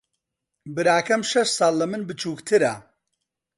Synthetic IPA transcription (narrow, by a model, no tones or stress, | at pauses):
bɨɾaːkɐmʃɐʃsɑːlːɐmɨnbɨt͡ʃʰuːkt̪ʰɨɾɐ